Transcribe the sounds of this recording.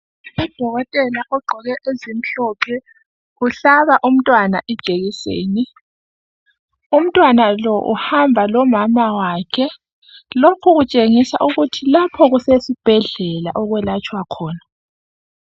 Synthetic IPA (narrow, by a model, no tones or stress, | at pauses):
ɔd̥ʱɔɣɔtʼɛlaʔɔɡ͡ǃʱɔɣɛʔezim̩ɬɔpʰɛ | ɣuɬaβaʔum̩tʼwanaʔɛd̥ʒ̥ʱeɣisḛːni | um̩tʼwanalɔʔṵhambʱalɔmamawaːkʰɛ | lokʰuɣut͡ʃʼeŋisaʔuɣutʰilapʰɔɣusesib̥ʱɛɮɛla̰ʔɔɣwɛlat͡ʃʼwakʰɔːna